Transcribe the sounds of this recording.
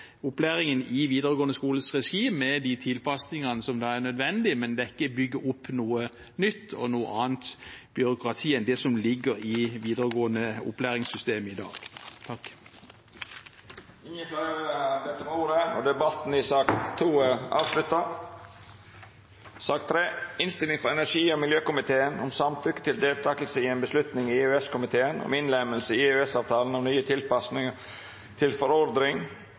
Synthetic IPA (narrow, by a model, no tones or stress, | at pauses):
ʊplæːɾɪŋənɪʋiːd̪əɾəɡoːənəskuːləsʁɛʃiːmɛd̪it̪ʰɪlpʰɑsnɪŋɑnəsɔmd̪ɑæʁnœd̪ʋɛnd̪ɪmɛnd̪ɛɪkːəbʏɡːəʔʊpːnuːə | nʏt̪ʰːɔnuːə̰ɑːnt̪b̥ʏɾʊkʁɑt̪ʰiːənd̪ɛsɔmlɪɡəɾɪʋiːd̪əɾəɡoːənəʊ̰plæːɾɪŋsʏst̪eːməɪd̪ɑ̰ːɡ̥t̪ʰɑkː | ɪnjəfɾɛɾd̪ɛt̪ːəmuːɾəɔ̰d̪ɛbɑt̪nɪsɑkt̪ʰːuːəɑːʋslʉt̪ːɑ | sɑːk̚t̪ʰːɾeːɪnst̪ɪlɪŋfɔɾɛnæʂiːɔmɪljøːkʊmɪt̪ʰeːənɔmsɑmt̪ʰɾʏkːə̥t̪ʰɪld̪eːlt̪ʰɑːkəl̩səɪɛnbəslʉt̪nɪŋɪʉɛskʊmɪt̪ʰeːənɔ̰mɪnlɛməlsəɪʉɛsɑːʋt̪ʰɑːlənɔmnyːət̪ʰɪlpɑsnɪŋɑ | t̪ʰɪlfɔɾɔɾd̪ɾɪŋ